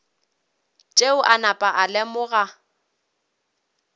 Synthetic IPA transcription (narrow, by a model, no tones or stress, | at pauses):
t͡ʃʼeʊʔanapʼaʔalɛmʊɣa